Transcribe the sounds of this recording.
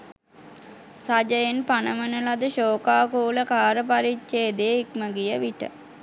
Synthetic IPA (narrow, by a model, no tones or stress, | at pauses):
rad͡ʒəjenpanəmənəlad̪əɕoːkaːkuːləkaːɾəpaɾit͡ʃʃeːd̪eikməɡijəʋiʈə̰